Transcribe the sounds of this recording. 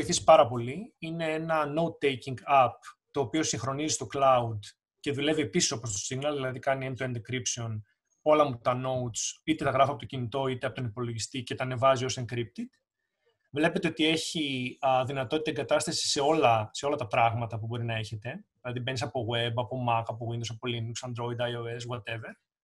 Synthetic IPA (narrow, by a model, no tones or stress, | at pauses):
iθisi̥pɐɾɐpo̞liine̞enɐno̞ut̪ejciŋɡɐp̚t̪o̞ːpio̞sĩŋxɾo̞nizist̪o̞klɐud̪ | ce̞ðule̞vie̞pisi̥sopost̪o̞siɣnɐlðilɐðikɐnient̪oend̪kɾipseo̞n | o̞lɐmut̪ɐno̞ut̪sit̪e̞t̪ɐɣɾɐfoɐpot̪ocinit̪o̞it̪eɐpo̞t̪onipo̞lo̞ʝist̪ice̞t̪ɐne̞vɐzio̞seŋkɾip̚t̪it̪ | vle̞pe̞t̪e̞o̞t̪ie̞çiðinɐt̪o̞t̪it̪ɐeŋɡɐt̪ɐst̪ɐsi̥se̞o̞lɐse̞o̞lɐt̪ɐpɾɐɣmɐt̪ɐpubo̞ɾinɐe̞çe̞t̪e̞ðilɐðibe̞nisɐpo̞ɣwebɐpo̞mɐkɐpo̞ɣind̪osɐpo̞linuksɐnd̪ɾo̞id̪ɐjoe̞s̬ɣwɐt̪e̞ve̞ɾ